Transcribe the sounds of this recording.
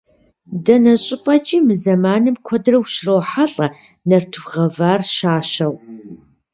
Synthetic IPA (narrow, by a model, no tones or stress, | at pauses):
dɐnɐɕʼɪpʼɐt͡ʃʼiːmɨzɐmaːnɨmkʷʰɔdrɐwʃrɐwħaɬʼɐ | nɐrtʰɨʁɐvaːrʃaːʃɐw